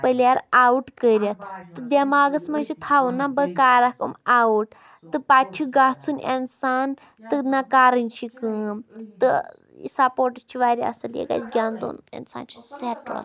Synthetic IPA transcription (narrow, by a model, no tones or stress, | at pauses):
pəlʲaɾawuʈkəɾʲjat̪ʰt̪ːɨd̪ʲemaːɡɐsmant͡ʃʰit̪ʰaːʋunːabəkaːɾakɐmawuʈ | t̪ɨpat͡ʃʰiɡat͡sʰunḛnsaːn | t̪ɨnakaːɾɨnʲt͡ʃʰikəmt̪ɨ | ḭsapoːɾʈət͡ʃʰiʋaːɾʲia̰sɐljḛɡa̰t͡ʃɡʲjaːnd̪o̰ːnḛnsa̰ːnt͡ʃʰi̥seʈɾa̰s